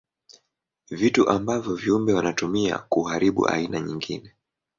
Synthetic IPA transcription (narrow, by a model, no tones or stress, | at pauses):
vituʔambavjɔviumbɛwanatumia̰kuɦaɾiɓṵʔa̰inaɲiŋɡinɛ